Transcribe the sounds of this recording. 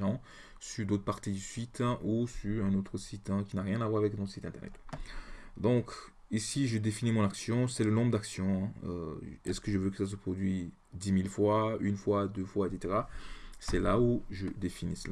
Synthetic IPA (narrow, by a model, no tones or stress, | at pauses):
ɑ̃ | syʁd̪ot̪χəpaʁt̪id̪əsɥit̪ɛ̃ʔusyʁɛ̃not̪χəsit̪ɛ̃kʲinaʁjɛ̃navwaʁavɛknɔt̪χəsit̪ɛ̃t̪ɛ̰ʁnɛ̰t̪ | d̪ɔ̃k | isiʒəd̪efinimɔ̃naksjɔ̃sɛlənɔ̃bʁəd̪aksjɔ̃ɛ̃ø̰ɛskəʒəvøkə̥sas̬əpχɔd̪ɥi | d̪imilfwaynfwad̪øfwaet̪set̪eʁasɛlauʒəd̪efinisəla